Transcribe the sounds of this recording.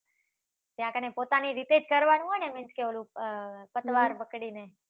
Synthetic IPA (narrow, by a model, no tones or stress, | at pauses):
t̪jãkənepoːt̪aniɾit̪ed͡ʒkəɾʋanũɦojnemɪnt͡ʃkeʋolũpət̪ʋaɾbəkɽine